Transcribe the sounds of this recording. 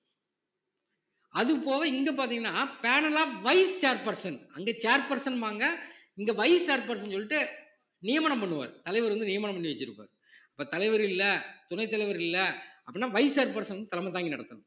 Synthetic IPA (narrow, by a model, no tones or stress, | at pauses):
ɐðɯpːoːʋɐɪŋɡɐp̬aːɾt̪̬iːŋɡɐnːaːpeːnɐlaːʋɐɪst͡ʃaːɾpɐɾsɐnɐŋɡet͡ʃaːɾpɐɾsɐnʋaːŋɡɐ | ɪŋɡɐʋɐɪst͡ʃaːɾpɐɾsɐnsɔlːɪʈːɯ | nɪjɐmaːɳɐmpɐɳːɯʋa̰ːɾt̪ɐlɐɪʋɐɾɐnd̪ɯnɪjɐmaɳɐmpɐɳːiʋɛt͡ʃːɪɾɯpːa̰ːɾ | ɐpːoːt̪ɐlɐɪʋɐɾɪlːɐt̪ʊnɐɪt̪ːɐlɐɪʋɐɾɪlːɐɐpːɐɽɪnːaːʋɐɪsaːɾpɐɾsɐnʋɐnd̪ɯt̪ɐlɐmɐt̪aːŋɡɪnɐɽɐt̪ːɯnʊ̃